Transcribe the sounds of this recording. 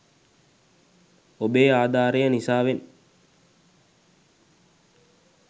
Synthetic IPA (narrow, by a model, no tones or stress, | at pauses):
obeːaːd̪aːɾəjənisaːʋen